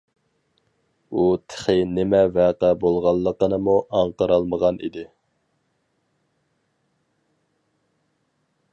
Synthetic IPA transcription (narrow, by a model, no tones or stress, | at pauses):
ut̪ʰə̥χɪnɪmɛvæːqæbolˠʁɑlˠːəqənɨmuʔɑɴqəɾɑlˠməʁɑnʔḭd̪ɪ